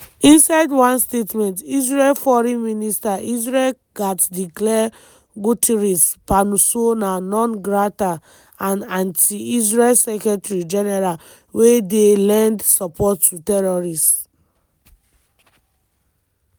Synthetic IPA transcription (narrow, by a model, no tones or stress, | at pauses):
ĩnsaɪdwãnstetmɛ̃ntizɹɛlfɔɹĩnministaʔizɹɛl | ɡ̥atdiklɛ | ɡutʰiɹispanusonanɔ̃nɡɹata | ãnãntʰiizɹɛlsɛkɹɛtaɹid͡ʒɛnɛɹal | wedelɛ̃ndsɔpɔtːutɛɹɔɹist